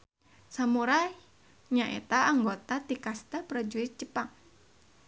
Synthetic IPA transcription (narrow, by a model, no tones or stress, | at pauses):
samuɾa | ɲaʔḛt̪aːŋɡot̪at̪ikast̪apɾad͡ʒuit̪̚t͡ʃəpaŋ